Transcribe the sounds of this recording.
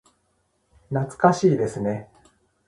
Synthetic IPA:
nat͡sɨ̥kaɕiːd̪e̞sɨne̞

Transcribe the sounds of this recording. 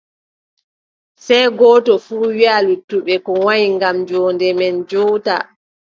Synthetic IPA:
sɛjɡɔːtɔfuːwialutːuɓɛkɔwaɲiŋɡamd͡ʒɔːndɛmɛnd͡ʒɔta̰

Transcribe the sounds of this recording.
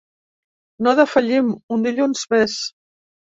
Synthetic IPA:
noðəfaʎimund̪iʎunzmɛs

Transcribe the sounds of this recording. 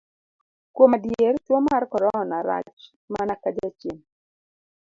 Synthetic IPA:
kwomadjertwomarkɔɾɔnaɾa̰t͡ʃ | manakad͡ʒat͡ʃen

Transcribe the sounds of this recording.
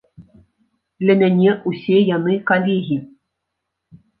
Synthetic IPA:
lʲɘ̆mʲænʲeʔusʲejanɨkalʲeɦʲi

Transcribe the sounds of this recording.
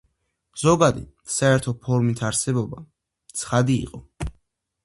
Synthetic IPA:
z̥ɔɡad̪ḭ | saɛɾt̪ʰɔpʰɔɾmit̪ʰaɾsɛbɔba | t̪sʰχad̪ḭːqʼɔ

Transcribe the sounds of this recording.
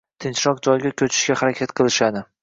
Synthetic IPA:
t̪ʰɪnt͡ʃɾɒq̚d͡ʒɒjɡʲakʲʰɵt͡ʃʰɪ̥ʃkʲahaɾakʲʰat̪qʰɨlˠɪʃad̪ɪ

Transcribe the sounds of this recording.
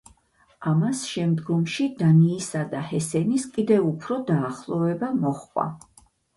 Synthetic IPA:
amasʃɛmd̪ɡɔmʃid̪aniːsad̪ahɛsɛniskʼid̪ɛvupʰɾɔd̪aːχlˠɔvɛbamɔχqʼwa̰

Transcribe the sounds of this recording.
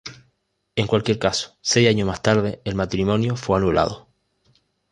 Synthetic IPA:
e̞ŋkwalkje̞ɾkaso̥se̞jaɲomast̪aɾð̞e̞elmat̪ɾimõ̞njofwe̞anula̰ð̞o

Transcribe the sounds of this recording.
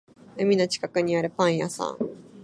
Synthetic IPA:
ɯmʲino̞t͡ɕi̥kakɯ̟ɲ̟iaɾɯ̟pãɰ̃jasã̰ŋ

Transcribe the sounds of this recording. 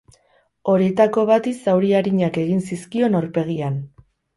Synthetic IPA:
o̞ɾiet̪ako̞β̞at̪isawɾiaɾiɲake̞ɣinsiskio̞naɾpe̞ɣ̞ian

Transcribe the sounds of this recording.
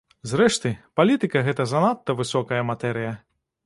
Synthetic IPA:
zɾɛʂt̪ɨpalʲit̪ɨkɐɣɛt̪ɐzɐnat̪ːɐvɨsɔkɐjɐmat̪ɛɾɨjɐ

